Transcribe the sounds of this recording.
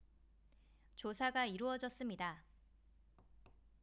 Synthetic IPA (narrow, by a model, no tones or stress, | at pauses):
t͡ɕosʰaɡaiɾuʌd͡ʑʌs͈ɯmɲida